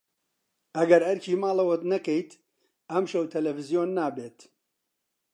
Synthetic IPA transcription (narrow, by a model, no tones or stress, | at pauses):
ʔɐɡɐɾhɐɾcʰiːmaːlɐwɐt̪nɐkejt̪ | ɐmʃɐwt̪ʰɐlɐfɨzijoːnːaːbeːt̪